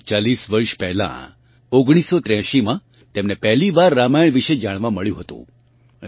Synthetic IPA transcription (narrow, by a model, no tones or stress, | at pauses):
t͡ʃalisʋəɾʃpɛɦlã̰ | oɡɽ̃isːot̪ɾjãʃimã | t̪emnepɛɦliʋaɾːamajɳʋiʃed͡ʒaɽ̃ʋãməɭjũɦət̪ṵ̃